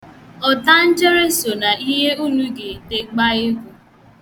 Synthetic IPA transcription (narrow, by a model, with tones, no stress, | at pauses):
ɔ˨ta˦n̩˦d͡ʒe˦ɾe˦so˨na˨i˦ɦe˦u˦nu˦ɡe˨te˨ɡ͡ba˦ɣɪ˦kʷu˨